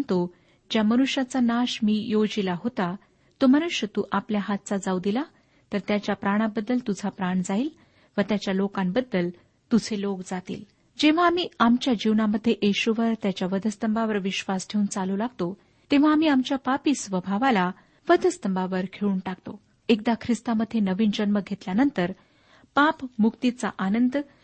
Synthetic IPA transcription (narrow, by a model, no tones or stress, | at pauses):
nt̪o | d͡ʑjamənuɕjat͡sanaɕmiːjod͡zilaɦot̪a | t̪oməñuɕjət̪uːʔapljaɦat̪̚t͡sad͡zawd̪ila | t̪əɾt̪jat͡ɕjapɾaɽ̃abəd̪ːəlt̪ud͡zʱapɾaɳd͡zaiːl | ʋət̪jat͡ɕjalokãmbəd̪ːəl | t̪ud͡zʱʰelokd͡zat̪ḭːl | d͡ʑeʋ̤aːmiːamt͡ɕjad͡ʑiwnaməd̪ʱːjeʔeɕuʋəɾt̪jat͡ɕjaʋəd̪ʱəst̪əmbaʋəɾʋiɕʋasʈʰeunt͡salulaɡ̚t̪o | t̪eʋ̤aːmiːamt͡ɕjapapiːsʋəbʱaʋala | ʋəd̪ʱəst̪əmbaʋəɾkʰeɭuːnʈakt̪o | ek̚d̪akʰɾist̪aməd̪ʱːenəʋiːnd͡ʑənməɡʱet̪ljanənt̪əɾ | papmukt̪it͡saʔanənd̪